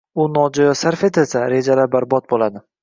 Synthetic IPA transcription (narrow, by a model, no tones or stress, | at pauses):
ʊnɒd͡ʒɒjɒsaɾfe̞t̪ʰɪlsaɾe̞d͡ʒalabaɾbɒt̪̚bolad̪ɪ